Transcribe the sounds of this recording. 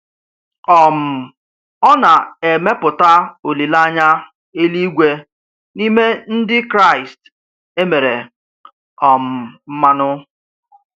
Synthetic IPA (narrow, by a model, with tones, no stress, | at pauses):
ɔ˨m̩˨ | ɔ˦na˨e˨me˦pʊ˨ta˦o˨li˨la˦ɲa˦ | e˦li˦ɡʷe˦ | ni˦me˦n̩˦dɪ˦kɾa˦˨ɪ˨st | e˦me˨ɾe˨ | ɔ˨m̩˨m̩˦ma˦nʊ˦